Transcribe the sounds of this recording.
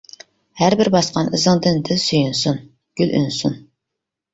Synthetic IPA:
hæɾbɪɾbɑsqɑnɨzɨŋd̪ɨnd̪ʰɪlsyjynsun | ɡ̥ʲyly̰nsun

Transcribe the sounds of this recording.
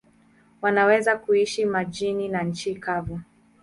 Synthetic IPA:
wanawɛzakuiʃimad͡ʒininaɲ̩t͡ʃikavu

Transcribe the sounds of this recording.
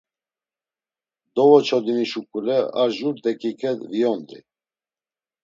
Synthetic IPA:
d̪ɔvɔt͡ʃʰɔd̪iniʃukʼulɛa̰ʒuɾd̪ɛkikʰɛd̪vijɔnd̪ḭ

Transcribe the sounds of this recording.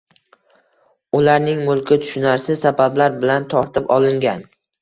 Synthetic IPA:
ʊlaɾnɪŋmʊlˠkʲɪt̪ʰʊ̥ʃʊnaɾsɪsabablaɾbɪlant̪ʰɒɾt̪ʰɪpɒlˠɪŋɡʲan

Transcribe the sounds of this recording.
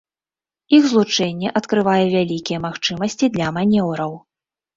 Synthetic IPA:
ixzlˠut͡ʂɛnʲːɛʔɐt̪kɾɨvajɛvʲalʲikʲijɛmaxt͡ʂɨmɐsʲt͡sʲid̪lʲɐmanʲɛwɾɐw

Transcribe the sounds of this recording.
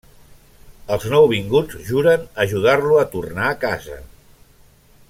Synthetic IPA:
əlˠznɔwβ̞iŋɡud͡zʒuɾənəʒuð̞arluət̪urnaəkazə̰

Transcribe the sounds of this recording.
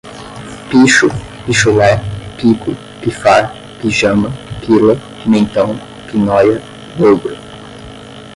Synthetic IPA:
piʃʊ | piʃʊlɛpikʊ | kifaɾ | kiʒɐ̃mɐkilɐ | mẽnt̪ɐ̃w̃ | pinɔjɐ | d̪owbɾɐ

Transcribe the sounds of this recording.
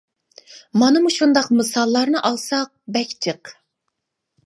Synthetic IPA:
mɑnɨmuʃund̪ɑqmɨsɑlˠːɑɾnɨʔɑlˠsɑq̚bɛkʲt͡ʃʰəq

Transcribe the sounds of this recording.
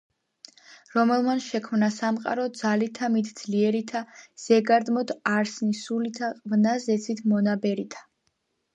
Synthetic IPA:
ɾɔmɛlˠmanʃɛkʰmnasamqʼa̰ɾɔd̪zalit̪ʰamit̪ʰd̪z̥liɛɾit̪ʰaz̥ɛɡaɾd̪mɔd̪ʰaɾsnisulit̪ʰavnazɛt̪sʰit̪ʰmɔnabɛɾit̪ʰḁ

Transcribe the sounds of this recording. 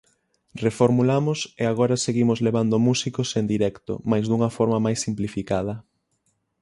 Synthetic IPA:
refoɾmulamʊseaɣ̞ɔɾɐseɣimʊzleβand̪ʊmusikosend̪iɾɛkt̪ʊ̰majzðuŋɐfɔɾmɐmajsːimplifikaðɐ

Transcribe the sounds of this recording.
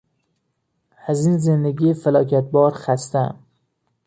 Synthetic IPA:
hæzinzend̪eɡʲifælɒːkʲʰæt̪̚bɒːɾχæst̪æm

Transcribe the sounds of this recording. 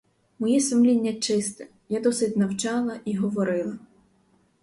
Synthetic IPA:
mɔjɛsʊmlʲinʲːɐt͡ʃɪst̪ɛ | jad̪ɔsɪdʲnɐwt͡ʃɑlˠɐʔiɦɔʋɔɾɪlˠɐ

